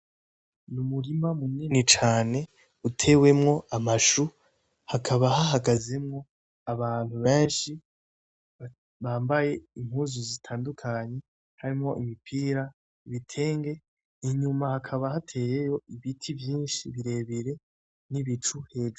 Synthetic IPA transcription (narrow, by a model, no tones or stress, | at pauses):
numuɾimamuninit͡ʃaːne̞ | utʰe̞ːwe̞mŋo̞ʔamaʃu | hakʰaβahaɦaɡaze̞mŋo̞ | aβaːn̥huβeːnʃi | βaːmbaje̞im̥huːzuzitʰaːndukʰaɲe̞ | haɾimŋo̞ʔimipʰiːɾa | iβitʰe̞ːŋɡe̞ | iɲumahakʰaβahatʰe̞ːje̞jo̞iβitʰiβjiːnʃiβiɾe̞βiɾe̞ | niβit͡ʃuhe̞ːd͡ʒu